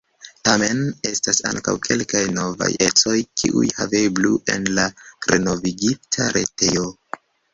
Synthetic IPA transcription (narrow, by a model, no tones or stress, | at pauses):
tame̞ne̞stasa̰ŋka̰wkʰe̞lkajno̞va̰je̞t͡so̞jkʰiʔṵjhave̞bluʔe̞nlaɾe̞no̞viɡitʰaɾʔe̞̰te̞jo̞